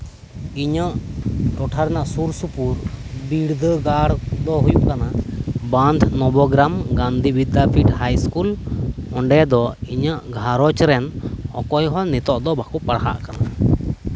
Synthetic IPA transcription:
iɲəʔʈɔʈʰaɾɛnaʔsuɾsupuɾbiɽd̪ʱəɡaɽd̪ɔɦujuʔkanabãnd̪ʱnɔbɔɡɾamɡand̪ʱibid̪apʰiʈhajskulɔɳɖɛd̪ɔiɲəʔɡʱaɾɔt͡ʃɾɛnɔ̰kɔjɦɔnit̪ɔʔd̪ɔbakuʔpaɽɦa̰ʔkana

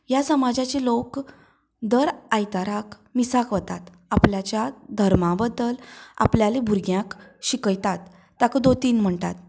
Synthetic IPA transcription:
jasəmad͡ʑat͡ɕelok | d̪əɾajt̪aɾak | misakʋət̪at̪ | apljat͡ɕjad̪ʱəɾmãbəd̪əla̰pljalebʱuɾɡjãkɕikəjt̪at̪ː | akəd̪ot̪iːnm̤əɳt̪a̰t̪̚

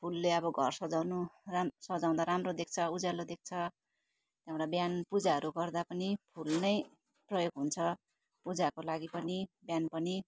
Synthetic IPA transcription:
pʰulːeʌbʌɡʱʌrsʌd͡zanuasʌd͡zaw̃d̪aɾamrod̪ek̚ʰt͡sʰʌud͡zalod̪ek̚t͡sʰʌ | t̪jãwɽabjanpud͡zaɦʌɾuɡʌrd̪apʌnipʰulnʌj | prʌjoɡɦunt͡sʰʌ | pud͡zakolaɡipʌnibjanpʌni

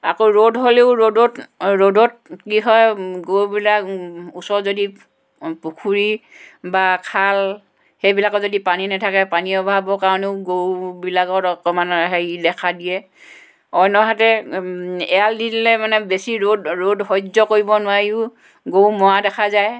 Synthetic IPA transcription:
a̰koɹodɦoleʊɹodɔtɹodɔt̚kiɦɔjɡowbilakusɔzodi | pukʰuɹibakʰal | hejbilakɔzodipaninɛtʰakɛpaniɔbʱabɔkaɔneʊɡowbilaɡɔtɔkɔmanɔɦeidɛkʰadijɛ | ɔjnɔɦatɛ | ɛaldidilɛmanɛbesiɹodɹodɦɔzɔkoɹibɔnʊwaɹiʊ | ɡowmɔadɛkʰazaj

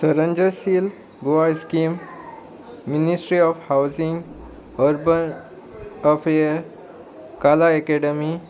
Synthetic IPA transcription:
səɾə̃ɲd͡ʑəsiːl | ɡoʋaiskimː | inisʈɾiɔfhawzĩŋɡ | ɔɾbən | əfeəɾ | kalaekeɖəmi

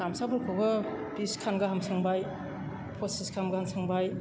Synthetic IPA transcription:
amsabɯɾkʰobɐpiskʰanɡaɦamsʰɯŋbaj | pʰosiskʰamɡɐhamsʰɯŋbaj

